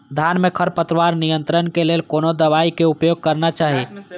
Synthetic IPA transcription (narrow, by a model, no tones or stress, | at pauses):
d̪ʱanmekʰəɾpət̪ɾəʋaɾnijənt̪ɾənkelelkonod̪əβaikeupjoɡ̚kəɾnat͡ʃaɦi